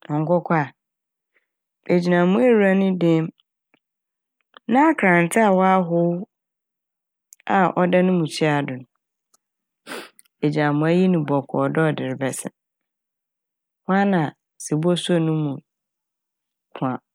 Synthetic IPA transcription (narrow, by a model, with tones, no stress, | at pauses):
ɔ˨ŋ̩˦kɔ˦kʰʷa˦˨ | e˨d͡ʑi˨nã˨mũ˦e˦ɾu˨ɾa˦nʊ̃˦dɪ̃˦m | nã˦a˦kʰɾã˨n˨tʰɪ˦a˨wɔ˦a˦ɦʊ˦w | a˨ʔɔ˦da˦nʊ̃˦mũ˨t͡ɕʰi˦a˨dʊ̃˨nʊ̃˨ | e˨d͡ʑi˨ã˨mʊ̃˨˦æ˦ji˦nʊ̃˨bɔ˨kʰɔ˨dɔ˦ɔ˨dɪ˨ɾɪ˨bɛ˨sɪ̰˨ | wa˦nã˨ | si˨bɔ˦so˦nʊ̃˦mũ˨ | kʰʊ̃˨ã˨